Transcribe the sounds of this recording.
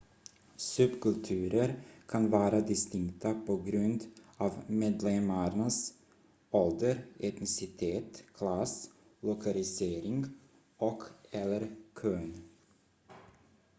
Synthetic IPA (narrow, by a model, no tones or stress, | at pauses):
sɵbkɵlt̪ʰʉːɾəɾkʰanvɑːɾad̪ɪst̪ɪŋkt̪ʰapʰɔɡɾɵnd̪ɑːvmeːd̪lɛmaɾnas | ɔld̪əɾɛt̪nɪsɪt̪ʰeːt̪kʰlas | lʊkʰalɪseːɾɪŋɡ | ɔkʰɛlːəɾkʰøːn